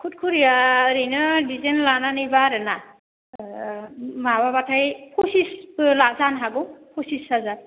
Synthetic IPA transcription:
kʰut̚kʰuɾijaɾejnɯdizenlananijbaɾɯna | mababatʰajpʰusislazanɦaɡɔpʰusisazan

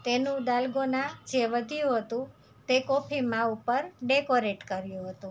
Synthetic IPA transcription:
t̪enũd̪alɡonad͡ʒeʋəd̪ʱijũɦət̪ũ | t̪ekopʰimãupəɾɖekoɾeʈkəɾjũɦət̪ũ

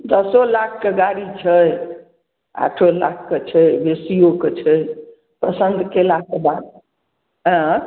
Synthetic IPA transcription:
d̪əsolakʰːeɡaɾit͡ʃʰəj | a̰ʈʰola̰kʰkːet͡ʃʰəjbesijoket͡ʃʰəj | pəsənd̪ʱkelakebad̪̚ | ɦə̃

